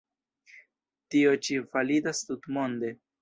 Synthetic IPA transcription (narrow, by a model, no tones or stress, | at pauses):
t̪io̞t͡ʃivalid̪ast̪ut̪mond̪e